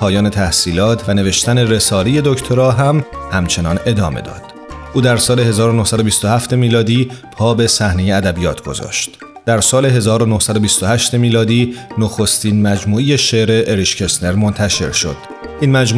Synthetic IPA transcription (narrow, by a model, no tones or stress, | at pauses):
pʰɒːjɒːne̞t̪ʰæhsiːlɒːt̪ʰvæne̞ve̞ʃt̪æne̞re̞sɒːleje̞d̪ocʰt̪ʰo̞ɾɒːɦæmhæmt͡ʃʰe̞nɒːne̞d̪ɒːme̞̰d̪ɒ̰ːd̪̥ | ʔuːd̪æɾsɒːle̞he̞zɒːɾonohsæd̪obist̪o̞hæft̪e̞miːlɒːd̪iːpʰɒːbe̞sæhne̞jeæd̪æbijɒːt̪ʰɡ̥o̞̰zɒ̰ːʃt̪ | d̪̥æɾsɒːle̞ɦe̞zɒːɾo̞nohsæd̪o̞bist̪o̞hæʃt̪e̞miːlɒːd̪iːnoxo̞st̪iːnmæd͡ʒmuːejeʃe̞ʔɾe̞ʔːɾiʃcʰe̞sne̞ɾmo̞nt̪ʰæʃe̞̰ɾʃo̞̰d̪̥ | ʔiːnmæd͡ʒmu